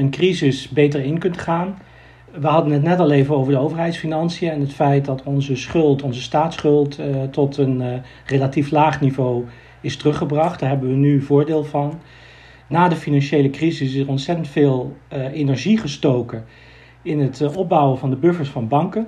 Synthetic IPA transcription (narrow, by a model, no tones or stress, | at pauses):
ənkrizɪsbejtəɹɪnkɵntχaːn | ʋəɦɑdənɦət̬nɛtɑlejvəowvəɹdəowvəɹɦɛjtsfinɑnsijəɛnətfɛjt̚dɑtʰɔnzəsχɵlˠtɔnzəstaːtsχɵlˠttɔtən | relatiflaːχnivow | ɪstərɵχəbrɑχtd̥aːɹɦɛbənʋənyvʊːɹdeːlˠvɑnː | aːdəfinɑnʃejləkrizɪsɪsəɹɔntsɛtəntfɪːlˠenɛɹʒiχəstowkə | ɪnətɔb̚bʌwəvɑndəbøɹfəɹsfɑnbɑŋkə